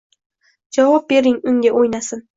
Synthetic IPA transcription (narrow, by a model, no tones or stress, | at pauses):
d͡ʒavɒp̚be̞ɾɪŋʊŋɡʲaʔojnasɪn